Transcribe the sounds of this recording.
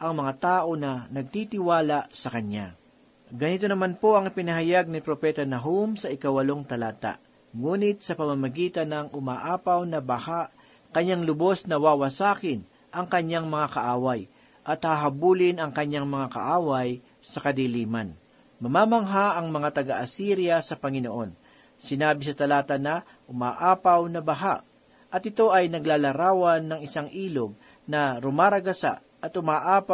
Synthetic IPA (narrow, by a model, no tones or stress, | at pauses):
ʔɐŋmɐŋat̪aːʔo̞nɐnɐɡ̚t̪it̪ɪwaːlasɐkɐɲa | ɡɐnit̪onɐmanpo̞ʔɐŋɪpɪnɐɦɐjaɡ̚nɪpɾopɛt̪ɐnɐɦumsɐʔɪkawɐlo̞ŋt̪ɐlaːt̪a̰ʔ | ŋuːnɪt̪̚sɐpɐmamɐɡiːt̪ɐnɐŋʔʊmaʔaːpawnɐbahaʔ | kɐɲːaŋlʊbo̞snɐwaːwɐsaːkɪn | ʔɐŋkɐɲːaŋmɐŋakɐʔaːwaj | ʔɐt̪haɦɐbuːlɪnɐŋkɐɲːaŋmɐŋakɐ̰ʔaːwɐj | sɐkɐd̪iliːmɐn | mɐmaːmɐŋɦaʔɐŋmɐŋat̪ɐɡaʔɐsiɾjɐsɐpɐŋɪnoʔo̞n | sɪnaːbɪsɐt̪ɐlaːt̪ɐnɐ | ʔʊmaːʔaːpɐwnɐbɐɦaʔ | ʔɐt̪ɪt̪o̞ʔɐjnɐɡlaːlɐɾaːwɐnːɐŋɪsaŋʔiːloɡ̚ | nɐɾʊmaːɾɐɡɐsa̰ | ɐt̪ʔʊmaːʔaːp